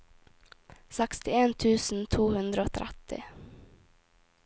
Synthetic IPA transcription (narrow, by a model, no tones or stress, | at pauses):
sɛkst̪ɪeːnt̪ʰʉːsn̩t̪ʰuːhʉnd̪ɾəoːt̪ʰɾʔɛ̰t̪ɪ̰